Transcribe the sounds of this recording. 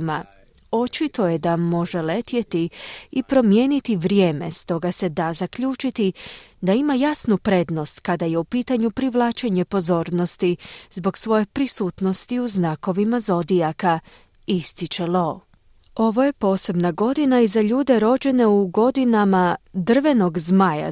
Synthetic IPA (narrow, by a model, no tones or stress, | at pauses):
ma | o̞t͡ʃit̪o̞jed̪amo̞ʒelet̪je̞t̪iipɾo̞mje̞ːnit̪iʋɾje̞ːme̞̰st̪o̞ɡase̞d̪azakʎuːt͡ʃit̪id̪aimajasnupɾe̞d̪no̞st̪kad̪aje̞upiːt̪aɲupɾiʋlˠaːt͡ʃe̞ɲe̞po̞zo̞ːɾno̞st̪izbo̞ɡsʋo̞je̞pɾisuːt̪no̞st̪iuznako̞ʋimazo̞d̪ijaka | ist̪it͡ʃe̞lo̞ː | o̞ʋo̞je̞po̞ːse̞bnaɡo̞d̪inaizaʎuːd̪e̞ɾo̞d͡ʑe̞ne̞uɡo̞d̪inamad̪r̩ʋe̞no̞ɡzmaja̰